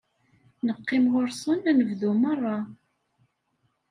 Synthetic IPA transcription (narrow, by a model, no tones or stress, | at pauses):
nəqːɪmʁoɾsˤənænəvðumərˤːɑ